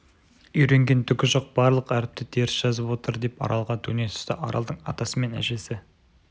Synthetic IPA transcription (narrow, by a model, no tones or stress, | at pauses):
ʏjɾe̞ŋɡʲe̞nt̪ʰʏkʲɪʒoq̚bɑɾlˠəqæɾɪp̚t̪ɪt̪ʰe̞ɾɪsʒ̥ɑzəpwo̞t̪əɾd̪e̞pɑ̰ɾʔɑlˠʁɑt̪ʰɵne̞sʏ̥st̪ɪʔɑɾʔɑld̪əɴɑt̪ɑsəme̞næ̰ʒe̞sɪ